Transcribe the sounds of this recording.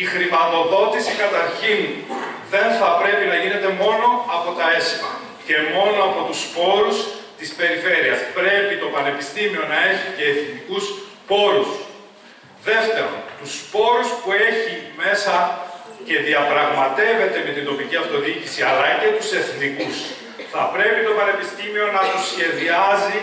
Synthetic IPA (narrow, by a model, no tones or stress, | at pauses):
ixɾimɐt̪o̞ðo̞t̪isikɐt̪ɐɾçinðe̞nθɐpɾe̞pinɐʝine̞t̪e̞mo̞no̞ɐpo̞t̪ɐe̞simɐ̰ | ce̞mo̞noɐpo̞t̪uspo̞ɾus | t̪ispe̞ɾife̞ɾiɐspɾe̞pit̪o̞pɐne̞pist̪imio̞nɐe̞çiceːθnikuspo̞ɾus | ðe̞ft̪e̞ɾo̞̰nt̪uspo̞ɾuspue̞çime̞sɐce̞ðiɐpɾɐɣmɐt̪e̞ve̞t̪e̞met̪ind̪o̞piciɐft̪o̞ðicisiɐlɐce̞t̪use̞θnikus | θɐpɾe̞pit̪o̞pɐne̞pist̪imio̞nɐt̪usçe̞ðiɐzi